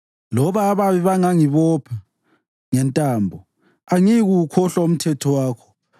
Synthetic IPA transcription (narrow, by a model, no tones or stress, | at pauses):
lɔβaːβaβiβaŋaŋiβɔpʰɛ | ŋɛntʼaːmbʱɔ | aŋiɣukʰɔɬaum̩tʰɛtʰɔwaːkʰɔ̥